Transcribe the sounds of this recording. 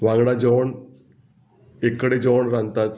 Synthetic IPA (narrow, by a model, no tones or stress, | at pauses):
ʋãŋɡɽad͡ʑəʋɳ | ekːɽed͡ʑoʋɳɾãnt̪at̪